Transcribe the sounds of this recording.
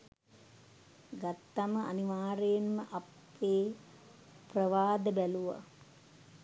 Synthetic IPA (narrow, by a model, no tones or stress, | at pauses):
ɡat̪ːaməʔa̰niʋaːɾejenməʔapːeː | prəʋaːd̪əbæluʋa̰